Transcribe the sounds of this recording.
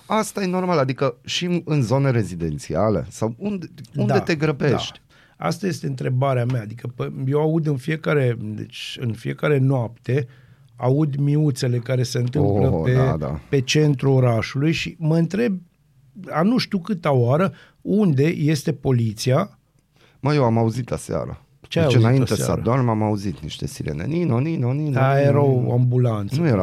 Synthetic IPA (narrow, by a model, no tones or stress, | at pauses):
ast̪aje̞no̞rmalad̪ikəʃimɨnzo̞ne̞ɾe̞zid̪e̞̰nt̪sia̰lḛsawund̪edunad̪et̪e̞ɡɾəbe̞d̪a̰ʃt̪ʲ | a̰st̪aje̞st̪e̞ɨnt̪ɾe̞baɾeameaːd̪ikəpəje̞waud̪ɨnfije̞kaɾe̞d̪ḛt͡ʃɨ̰nfije̞kaɾe̞noapt̪e̞ | aud̪miut̪se̞le̞kaɾe̞se̞ɨnt̪ɨmləpded̪a̰pe̞t͡ʃe̞nt̪ɾuo̞ɾaʃulujʃiməɨnt̪ɾe̞b̚ | anuʃt̪iukɨt̪aoaɾə | und̪e̞je̞st̪e̞po̞lit̪sia | məjewamauzit̪lasea̰ɾa̰ | t͡ʃeajjanainaesa̰d̪ormamauzit̪niʃt̪e̞̰siɾḛnḛninoninoninajeɾawo̰ambulant̪snsujeɾa